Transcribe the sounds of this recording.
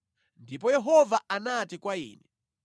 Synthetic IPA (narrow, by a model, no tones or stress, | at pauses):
ndipɔjɛɦɔvaʔanatikwaḭːnɛ